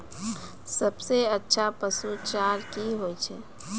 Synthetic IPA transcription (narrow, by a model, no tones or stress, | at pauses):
səbseətːʃʰapəsut͡ʃaːɾkiɦoːit͡ʃʰɛ